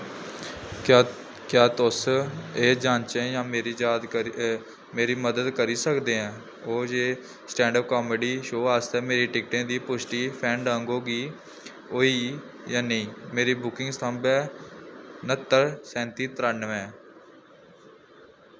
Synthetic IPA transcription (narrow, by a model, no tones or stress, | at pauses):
kjaːt̪ʊseːd͡ʒãːnt͡ʃẽjãːmeːɾiːd͡ʒaːd̪ | meːɾiːməd̪əd̪kəɾiːsəkd̪eːɛ̃ː | oːd͡ʒeː | sʈɛ̃ːɳɖəp̚kɔːmeːɖiːʃoːaːst̪ɛːmeːɾiːʈɪkʈẽːd̪iːpʊsʈiːpʰɛ̃ːɳɖãːŋɡoːɡiː | oːiː | jãːnəĩːmeːɾiːbʊkɪ̃ŋɡst̪ʰəmbɛː | nət̪ːəɾsɛ̃ːnt̪iːt̪əɾaːnʋɛ̃ː